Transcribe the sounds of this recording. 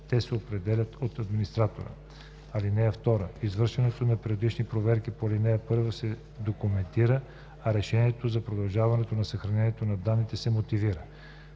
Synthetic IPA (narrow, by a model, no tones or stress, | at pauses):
t̪ɛsɛopɾɛd̪ɛlʲɐt̪ot̪ɐd̪minist̪ɾat̪o̰ɾə̰ | ɐlinɛɐft̪ɔɾə̰izvɤɾʃvɐnɛt̪onɐpɾɛod̪it͡ʃnipɾovɛɾkipolinɛɛpɤɾvəsɛ | d̪okʊmɛnt̪iɾə | ɐɾɛʃɛniɛt̪ozɐpɾod̪ɐlˠʒavɐnɛt̪onɐsɐxɾɐnɛniɛt̪onɐd̪anːit̪ɛsɛmot̪iviɾə